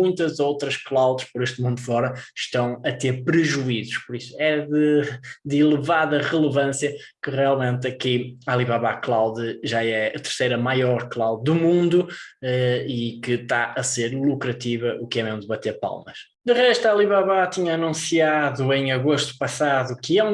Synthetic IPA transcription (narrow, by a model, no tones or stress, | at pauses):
mũj̃t̪ɐzowt̪ɾɐʃklˠawðʃpɔɾeʃt̪mũnd̪ufɔɾɐʃt̪ɐ̃w̃ɐt̪eɾpɾɨʒuizuʃpɔɾisu̥ɛðɨd̪ilˠɨvaðɐʁɨlˠɨvɐ̃sjɐ | kɨʁialˠmẽnt̪ɐkialˠiβaβaklˠawðɨʒaɛɐt̪ɨɾsejɾɐmajɔɾklˠawððumũnd̪uɛikɨt̪aʔɐseɾlˠukɾɐt̪ivɐʔukɛmẽw̃d̪βɐt̪eɾpa̰lˠmɐʃ | d̪ɨʁɛʃt̪ualˠiβaβat̪iɲɐːnũsiaðuẽj̃ɐɣoʃt̪u̥pɐsaðukɨɛ̃